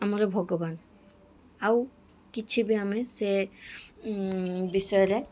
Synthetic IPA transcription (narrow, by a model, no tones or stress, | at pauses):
amaɾɔbʱɔɡɔban | aw | kit͡ʃʰibiamɛse | bisɔjɔɾɛ